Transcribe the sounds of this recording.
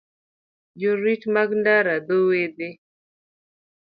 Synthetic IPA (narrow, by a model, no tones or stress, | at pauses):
d͡ʒoɾitmaɡndaɾad̪owed̪e